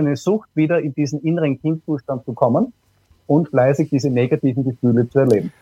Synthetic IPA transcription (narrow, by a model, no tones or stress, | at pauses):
æɪnəzʊxtv̥iːdɐɪnd̥iːzn̩ʔɪnəʁənkʰiːmt͡suːʃtant̚t͡sukʰɔmən | ʔʊntflɛɪzɪk̚d̥iːzəneɡatiːvn̩ɡəfyːlət͡suɛɐleːbm̩